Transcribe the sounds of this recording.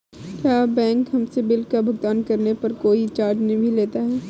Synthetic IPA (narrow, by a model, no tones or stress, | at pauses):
kjaːbɛ̃ːŋkɦɐmsebɪlkabʱʊɡ̚t̪aːnkɐɾnepɐɾkoːit͡ʃaːɾd͡ʒnɦibʱileːt̪aɦɛː